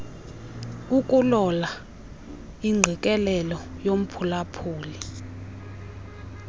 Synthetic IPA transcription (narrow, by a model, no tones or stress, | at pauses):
ukʼulɔla | iŋ͡ǀʱikʼɛlɛlɔjom̩pʰulapʰuːli